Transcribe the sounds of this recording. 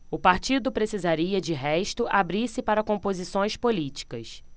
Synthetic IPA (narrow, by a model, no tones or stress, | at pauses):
ʊpaɾt͡ʃid̪ʊpɾesizaɾiɐd͡ʒɪɦɛʃt̪ʊʔabɾiɾsɪpaɾɐkõmpozisõj̃spolit͡ʃi̥kɐ̰s